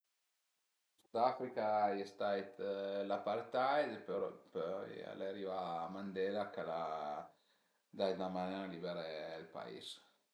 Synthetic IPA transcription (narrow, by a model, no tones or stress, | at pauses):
syd̪afɾikajst̪ajt̪lapaɾt̪ajd̪epøɾpøja̰laɾivamand̪ɛlakala | d̪ajt̪amanenalibɛɾelpa̰ḭs